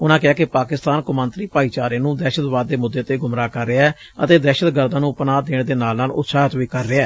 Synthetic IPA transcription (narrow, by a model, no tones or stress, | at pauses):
ʊnãːkɪaːkɪpaːkɪst̪aːnkʊmə̃nt̪ɾiːpaːiːt͡ʃaːɾẽːnũːd̪ɛːʃət̪ʋaːd̪̚ːeːmʊd̪ːeːt̪eːɡʊmɾaːkəɾːeːɛː | ət̪eːd̪ɛːʃət̪ɡəɾd̪ãːnũːpnaːd̪eːɳd̪eːnaːlãːlʊ̰t̪saːɦət̪ʋiːkəɾːeːɛː